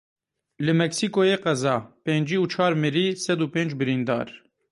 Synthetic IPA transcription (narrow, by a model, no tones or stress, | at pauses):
lɨmɛksiːkojeːqɛzɑːpeːnd͡ʒiːuːt͡ʃʰɑːɾmɨɾiːsɛd̪uːpeːnd͡ʒbɨɾiːnd̪ɑ̰ːɾ